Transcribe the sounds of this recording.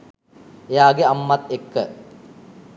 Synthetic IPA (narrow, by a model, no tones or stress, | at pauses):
ejaːɡeamːɐt̪ekːə